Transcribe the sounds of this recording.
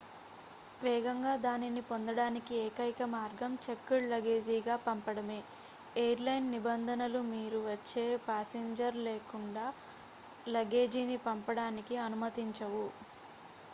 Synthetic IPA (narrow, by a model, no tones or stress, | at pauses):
ʋɛːɡɐŋɡaːd̪aːninipond̪ɐɽaːnikieːkɐjkɐmaːɾɡɐmt͡ʃekːuɭlɐɡe̞ːd͡ʒiːɡaːpɐmpɐɽɐme̞ː | ejɐɾlɐjnːibɐnd̪ʱɐnɐlumiːɾuʋɐt͡ʃːe̞ːpaːseɲd͡ʒɐɾleːkuɳɖaː | lɐɡe̞ːd͡ʒiːnipɐmpɐɽaːnikiɐnumɐt̪iɲt͡ʃɐʋu